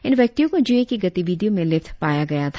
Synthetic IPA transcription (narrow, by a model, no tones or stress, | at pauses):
ɪnʋjɐk̚t̪ijõkod͡ʒuekiɡɐt̪iʋid̪ijõmẽlɪft̪ʰpaːjaɡɐjat̪ʰ